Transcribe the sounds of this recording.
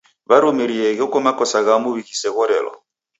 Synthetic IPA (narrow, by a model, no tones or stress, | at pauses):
βaɾumiɾiɛɣɛkɔmakɔsaɣamuβikisɛɣɔɾɛ̰lɔ̰